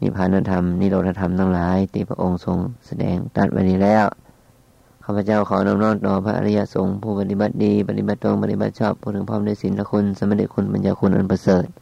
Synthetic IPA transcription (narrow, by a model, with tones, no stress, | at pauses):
nḭ˧˩pʰaː˧˨na˧˨t̪ʰa˧mni˧˨lo˧˩t̪̚ʰːa˧t̪ʰa˧˨mt̪ʰa˧˩ŋlaː˨˦jt̪iː˧˩pʰa̰˧ʔo˧ŋso˨˧˦ŋsa˧dɛ̰ː˨˦ŋt̪a̰˧˩t̪̚ʔa̰˧˨niː˧˩˨lɛː˧˩˨w | kʰaː˧˩pʰa˧t͡ɕa˥˩wkʰɔː˨˦na˧˥˨mnɔː˧˥˨ŋt̪ɔː˨˦pʰa˧ʔa̰˧a˧ja˧ʔso˨˦ŋpʰuː˧˩pa˧t̪i˧˩ba˧˦t̪̚diː˨˧pa˧t̪i˧ba˧˦t̪̚ʰːŋpa˧t̪i˧ba˧t̪̚sɔː˧˩p̚ʰːuː˧˩t̪ʰɯ˨˦ŋpʰɔː˧˥˨mdaː˧˨jsi˨˦nla˧kʰu˧˥˨nsa˧ma˧t̪ʰiː˧kʰu˧˥˨nba˨nt͡ɕaː˧kʰu˧˥˨nʔa̰˧˨npʰa˧sɤː˨˩t̪̚